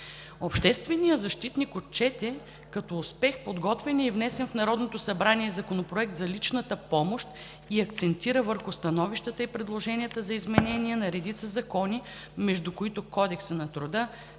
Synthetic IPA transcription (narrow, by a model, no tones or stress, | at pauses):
opʃt̪ɛst̪vɛnijəzɐʃt̪it̪nikot̪̚t͡ʃɛt̪ɛ | kɐt̪ɔːspɛxpod̪ɡɔt̪vʲɛniːvnɛsɛnfnɐɾɔd̪not̪osɐbɾaniɛzɐkonopɾoɛk̚t̪zɐlit͡ʃnət̪əpɔmoʃt̪ | iɐkt̪sɛnt̪iɾəvəɾxʊst̪ɐnɔviʃt̪ət̪əipɾɛd̪lˠoʒɛnʲiət̪əzɐizmɛnɛniɛnɐɾɛd̪it̪səzɐkɔni | mɛʒd̪ukoit̪okɔd̪ɛksənɐt̪ɾʊd̪ə